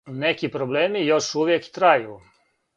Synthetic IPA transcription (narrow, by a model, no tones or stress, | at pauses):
nekipɾobleːmijo̞ʃuʋjekt̪ɾaju